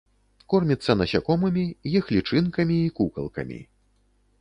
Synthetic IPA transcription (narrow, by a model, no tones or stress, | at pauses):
kɔrmʲit̪sːɐnɐsʲakɔmɨmʲijɛxlʲit͡ʂɨnkɐmʲiːkukɐ̰lˠkɐ̰mʲḭ